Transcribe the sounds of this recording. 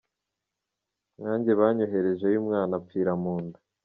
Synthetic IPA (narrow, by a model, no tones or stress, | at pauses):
ŋaːɲɟe̞βaːɲoɦe̞ɾe̞ʒejuːmŋaːnap̪fiːɾamuːnda